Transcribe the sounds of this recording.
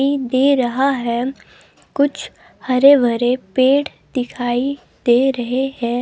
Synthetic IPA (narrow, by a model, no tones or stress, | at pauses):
id̪eːɾɐɦaɦɛ | kʊt͡ʃʰ | hɐɾebʱɐɾepeːʈ | d̪̥ɪkʰaːi | d̪eːɾɐɦehɛ̃ː